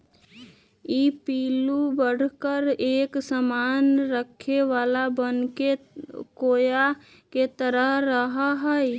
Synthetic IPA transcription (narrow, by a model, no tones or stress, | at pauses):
iːpiːlubəɽ̤kəɾeːksəmaːnɾəkʰːeʋaːlabənkekoːja | ket̪əɾəɦɾəɦaɦəj